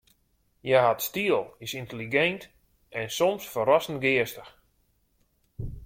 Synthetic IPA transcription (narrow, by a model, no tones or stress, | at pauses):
jaɦatstiəlˠisintəliɡɛnt | ʔɛnsɔmsfəɾɔsən̩ɡɪəstəx